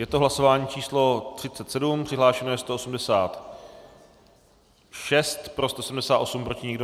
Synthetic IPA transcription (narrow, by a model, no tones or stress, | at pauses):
jɛt̪oɦlaso̞vaːɲiːt͡ʃiːslo̞t̪r̝̥ɪt͡sɛt̪sɛdumpr̥ɪɦlaːʃɛnojɛst̪oʔosumdɛsaːt̪ | ʃɛst̪pɾo̞st̪o̞sɛdm̩dɛsaːt̪ʔo̞sumpɾo̞cɪɲɪɡdo